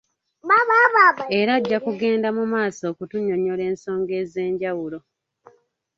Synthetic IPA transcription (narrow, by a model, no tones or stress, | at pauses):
maβaβae̞ɾaːɟːakuɡe̞ːndamumaːso̞ːkutuɲo̞ɲo̞le̞ːnso̞ːŋɡe̞ːze̞ːɲɟawulo̞